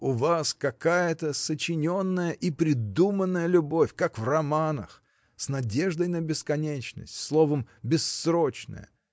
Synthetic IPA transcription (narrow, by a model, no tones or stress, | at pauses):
ʊvaskɐkajət̪əsət͡ɕɪnʲo̞nːəjəʔipɾʲɪd̪umənːəjəlʲʊbo̞fʲkakvrɐmanə̰x | snɐdʲe̞ʐd̪əjnəbʲɪskɐnʲet͡ɕnə̰sʲtʲslˠovəmbʲɪsːɾot͡ɕnə̰jə̰